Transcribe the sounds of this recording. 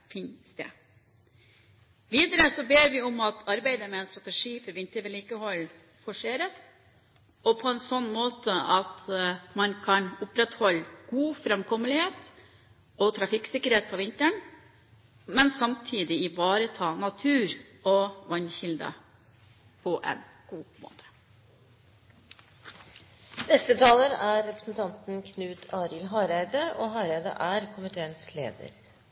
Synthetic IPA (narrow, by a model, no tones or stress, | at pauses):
fɪnst̪ḛː | ʋiːd̪əɾəsɔbeːɾʋɪʊmɑt̪ʰɑɾbæɪd̪əmɛɛːnst̪ɾɑt̪ɛʂiːfɔɾʋɪnt̪əɾʋɛliːkəhɔlː | fɔʂeːɾəs | ɔpʰɔɛnsɔnːmoːt̪əɑt̪mɑnkʰɑnʊpɾɛt̪hɔlɡ̥uːfɾɛmkʰɔməlɪheːt̪ | ɔt̪ʰɾɑfɪksɪkːəɾheːt̪̚pʰɔʋɪnt̪əɳ | mɛnsɑmt̪ʰiːd̪ɪɪbɑːɾət̪ʰɑːnɑt̪ʰʉːɾ | ɔʋɑnçɪld̪ə̰ | pʰɔʔɛ̰n | ɡ̥uːmo̰ːt̪ʰə̥ | nɛst̪ət̪ʰɑːləɾæɾːɛpɾəsnt̪ʰɑnt̪n̩kʰnʉːt̪ʰɑːɾɪlɦɑːɾæɪd̪əʔɔɦɑːɾæɪd̪ə̰ʔæɾkʰʊmɪt̪ʰeːənslḛːd̪ə̰ɾ